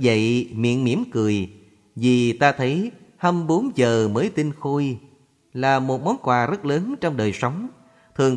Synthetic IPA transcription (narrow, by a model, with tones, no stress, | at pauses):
və̰˧˨jmḭ˧˨ənmi˧˩əmkɨ˨˩əj | vi˨˩t̪aː˧t̪ʰə˨˦jhə˧mɓo˨˦nzəː˨˩məː˨˦jt̪i˧nxo˧j | laː˨˩mo˨˩t̚mɔ˨˦nkwaː˨˩zə˦˥t̚ləː˨˦nt͡ɕɔ˧wŋ͡mɗəː˨˩jsə˨˦wŋ͡m | t̪ʰɨ˨˩əŋ